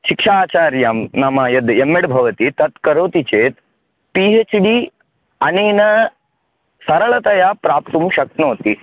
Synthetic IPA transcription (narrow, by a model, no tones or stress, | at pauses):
ʃikʂaːt͡ʃaːɾjaːmnɐmɐjɐd̪emːeɽbʱɐʋɐt̪it̪ɐt̪kɐɾoːt̪it͡ʃeːt̪ | piɦet͡ʃɖi | ɐneːnɐ | sɐɾɐɭɐt̪ɐjaːpɾaːp̚t̪umʃɐknoːt̪i